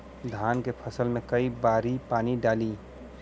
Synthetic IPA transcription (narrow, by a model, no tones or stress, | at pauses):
d̪ʱaːnkepʰəsəlmẽkəibaːɾipaːniɖaːliː